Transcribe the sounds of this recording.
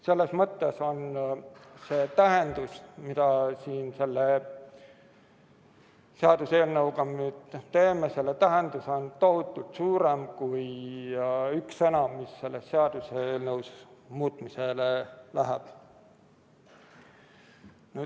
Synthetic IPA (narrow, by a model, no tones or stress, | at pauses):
se̞lːe̞smɤt̪ːe̞so̞n | se̞ːt̪æɦend̪̥usmid̪̥ɑsiːnse̞lːe | seɑd̪̥use̞ːlnɤwkɑmyːd̪t̪e̞ːmese̞lːet̪æɦend̪̥uso̞nt̪o̞ɦut̪ˑːult̪suːɾe̞mkuj | yksenɑmisːe̞lːesːe̞ɑd̪̥useeːlnɤwsesmuːt̪ˑmiselelæɦeb̥ | nyː